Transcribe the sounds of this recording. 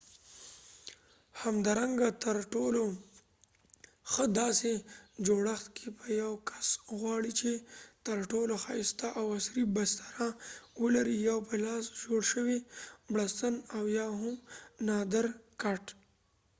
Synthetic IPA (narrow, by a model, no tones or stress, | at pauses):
hamd̪ɑːɾaŋɡat̪əɾʈolo | xəd̪ɑsed͡ʒoɽaxt̪kʰepəjawkʰḁsɣwɑɽit͡ʃet̪əɾʈoloxɑɪst̪aʔawasɾibast̪aɾawəlaɾijawpəlɑsd͡ʒoɽʃəwibɽast̪ənawjɑɦʊmnɑd̪əɾkaʈ